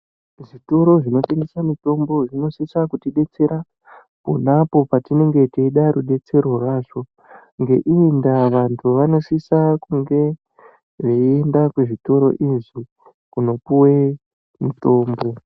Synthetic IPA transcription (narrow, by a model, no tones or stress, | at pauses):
ʐito̞ɾo̞ʐino̞te̞ŋɡesamito̞mbo̞ʐino̞sisakutiɗe̞t͡se̞ɾa | po̰napo̞patine̞ŋɡetiiɗaɾuɗe̞t͡se̞rworwaʐo̞ | ŋɡe̞ʔiendaʋantʰuʋano̞sisakuŋɡe̞ | ʐeiendakeʐito̞ɾo̞̰ʔiʐi | kuno̞puwe | mito̞ːmbo̞